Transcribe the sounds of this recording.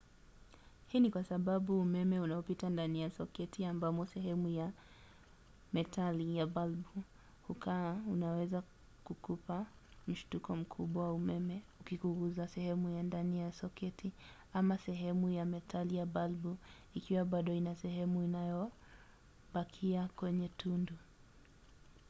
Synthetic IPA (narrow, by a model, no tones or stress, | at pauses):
hiːnikwasaɓaɓuːmɛmɛunaɔpitandanijasɔkɛtʰiambamɔsɛɦɛmuja | mɛtʰalijabalbu | hukaaunawɛza | kukupam̩ʃtukɔm̩kʰuɓwawaumɛmɛukikuɣuzasɛhɛmujandanijasɔkɛtʰi | amasɛɦɛmujamɛtʰalijaɓalbu | ikiwaɓaɗɔinasɛɦɛmuinajɔ | ɓakʰiakwɛɲɛtʰundu